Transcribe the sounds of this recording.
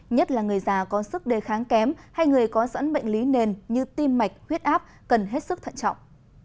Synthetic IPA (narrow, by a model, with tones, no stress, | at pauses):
ɲə˦˥t̚laː˨˩ŋɨ˨˩əjzaː˨˩kɔ˨˦sɨ˦˥k̚ɗe˨˩xaː˨˦ŋkɛ˨˦mha˧jŋɨ˨˩əjkɔ˨˦sə̰˧˥nɓə̰˧˨jŋ̟li˨˦ne˨˩nɲɨ˧t̪i˧mːa˨˩jk̟̚hwi˦˥ət̚ʔaː˦˥p̚ | kə˨˩nɦe˦˥t̚sɨ˦˥k̚t̪ʰə̰˧˨nt͡ɕɔ̰˧˨wŋ͡m